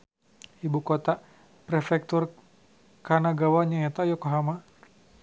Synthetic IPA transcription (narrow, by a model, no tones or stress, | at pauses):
ibukot̪a | pɾɛfɛk̚t̪ur | kanaɡawaɲaɛt̪ajɔkoɦama